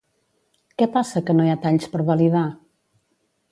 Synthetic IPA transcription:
kɛpasəkənojat̪aʎspəɾβəliða

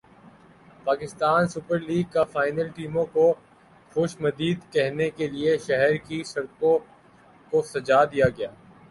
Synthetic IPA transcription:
paːkɪst̪aːnsʊpəɾliːɡ̚kafaːɪnəlʈiːmõko | xoːʃmɐd̪iːd̪kɛɦnekelieʃɛɦɛɾkisɐɾkõ | kosɐd͡ʒaːd̪ijaɡɐjaː

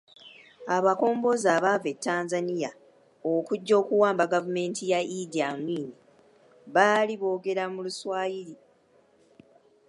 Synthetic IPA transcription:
aβako̞ːmbo̞zaːβave̞tːaːnzanija | okuɟːo̞ːkuwaːmbaɡavume̞ːntʰijaʔidiamwiːni | βaːliβo̞ːɡe̞ɾamuluswaːjiɾi

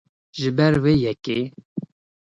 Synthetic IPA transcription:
ʒɨbɛɾweːjɛke

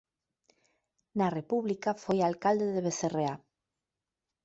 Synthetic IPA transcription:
narepuβlikafojalkald̪eðeβeθerea

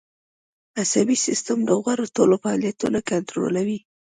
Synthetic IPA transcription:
asabisɪst̪amd̪əɣaɾot̪olofaɑlijat̪ṵnakant̪ɾo̰lawi

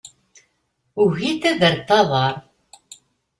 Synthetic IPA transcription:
uɣiθæðəɾt̪ːɑðˤɑɾˤ

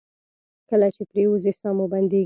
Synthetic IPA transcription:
kəlat͡ʃepɾewuzesɑmoband̪e

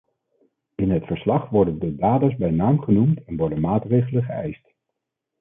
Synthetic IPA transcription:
ɪnɦətfəɹslɑχʋɔɹdəndədaːdazbɛjnaːmχənumtɛnʋɔɹdənmaːtrejχələχəɛ̰jst

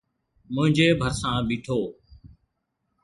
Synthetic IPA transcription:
mʊ̃ɦɪ̃ɲd͡ʒeːbʱəɾsãːɓiːʈʰoː

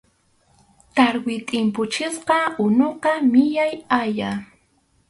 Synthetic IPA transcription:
t̪aɾwɪt̪ʼɪmpʊt͡ʃɪsqɑʊnoqɑmɪʎajaja

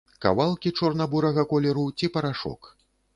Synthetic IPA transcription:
ka̰valˠkʲit͡ʂɔrnabuɾɐɣɐkɔlʲɛɾut͡sʲipɐɾaʂɔ̰k

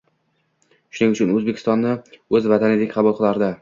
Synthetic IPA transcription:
ʃʊnɪŋʊt͡ʃʰʊnɵzbekʲʰɪst̪ɒnːɪɵzvat̪ʰanɪd̪ekʲqʰɑbʊlˠqʰɨlˠaɾd̪ɪ

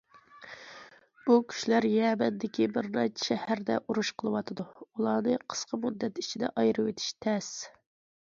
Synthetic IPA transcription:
b̥ukʲʰy̥ʃlæɾjɛːbɛnd̪ɪkʲibɪɾɾɑt͡ʃʃɛhæɾd̪ɛ̰ʔuɾuʃqʰəlˠɨwɑt̪ʰɨd̪uulˠɑːnɨqʰə̥sqɑmud̪ːɛt̪it͡ʃʰid̪ɛ̰ʔɑjɾɨwet̪ʰi̥ʃt̪ʰɛs

